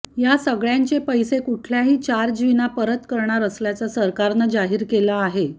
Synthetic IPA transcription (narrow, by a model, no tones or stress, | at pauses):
jasəɡɭjaɲt͡sepəjsekuʈʰljaɦiːt͡ɕaɾd͡ʑʋinapəɾət̪kəɾɳaɾəsljat͡sasəɾkaɾnəd͡zaɦiːɾkelaːɦe